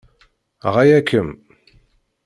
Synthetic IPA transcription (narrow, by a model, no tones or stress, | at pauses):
ʁajækːəm